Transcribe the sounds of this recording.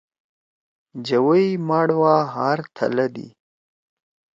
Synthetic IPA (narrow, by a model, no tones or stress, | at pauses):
d͡ʒawəjmɑɽwɑɦɑɾt̪ʰa̰lad̪ḭ